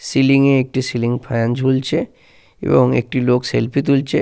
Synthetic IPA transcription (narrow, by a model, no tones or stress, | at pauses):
silĩŋɡẽek̚ʈisilĩŋɡpʰajand͡ʒʱult͡ʃʰe | ḛʋə̃ŋḛk̚ʈiloːkselpʰit̪ult͡ʃʰe